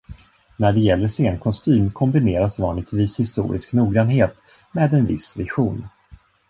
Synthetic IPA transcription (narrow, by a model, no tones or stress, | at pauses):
næɖɛjɛlːəʂeːnkʰɔst̪ʰyːmkʰɔmbɪneːɾasvɑːnlɪɡt̪viːshɪst̪ṵːɾʔɪ̰sknuːɡɾanɦeːt̪ | meːd̪ɛnvɪ̰svɪɧuːn